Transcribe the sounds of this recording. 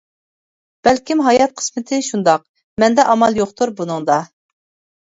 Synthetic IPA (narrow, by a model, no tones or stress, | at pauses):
b̥ɛlkʲimɦɑjɑt̪̚qʰə̥smɨt̪ʰɪʃund̪ɑq̚ | mɛnd̪ɛʔɑmɑlˠjoqt̪ʰuɾbunɨŋd̪ɑ